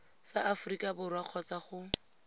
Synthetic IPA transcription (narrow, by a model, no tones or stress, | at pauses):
saʔafʊrikʼabʊrwaq͡χʰɔt͡saχʊ